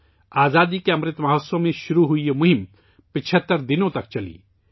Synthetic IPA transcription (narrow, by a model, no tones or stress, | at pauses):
aːzaːd̪ikeɐmɾɪt̪mɐɦəsõmẽʃʊɾuɦʊiemʊɦɪm | pɪt͡ʃʰət̪ːəɾd̪ɪnõt̪ɐk̚t͡ʃɐlḭː